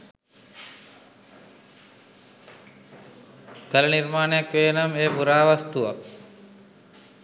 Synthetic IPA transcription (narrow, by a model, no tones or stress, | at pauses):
kəlɐnirmaːnejakʋeːnameːpuɾaːʋast̪uʋa̰p̚